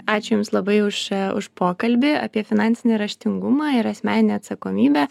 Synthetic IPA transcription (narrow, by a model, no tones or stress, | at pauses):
ɑːt͡ʃʲʊjʊmslˠɐbɐɪʊʃʊ̰ʃpoːkɐlʲbʲɪɐ̰pʲiɛfʲɪnɑnʲsʲɪnʲɪɾɐʃʲt̪ʲɪŋɡʊmɑːɪɾɐsʲmʲæːnʲɪnʲeːɐt̪sɐkoːmʲiːbʲæː